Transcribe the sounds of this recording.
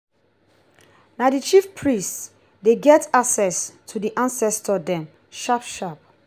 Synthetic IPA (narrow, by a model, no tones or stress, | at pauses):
nadit͡ʃifpʰɹists | deɡɛtaksɛstʰudiʔãnsɛstɔdɛ̃m | ʃapʃap̚